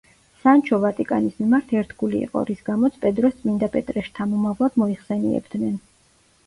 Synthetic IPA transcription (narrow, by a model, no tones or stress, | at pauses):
sant͡ʃʰɔvat̪ʼikʼa̰nismimaɾt̪ʰɛɾt̪ʰɡulḭːqʼɔ̰ɾisɡamɔt̪sʰpʼɛd̪ɾɔst̪sʼmind̪apʼɛt̪ʼɾɛʃt̪ʰamɔmavlˠad̪̥mɔiχsɛniɛ̰bd̪̥nɛn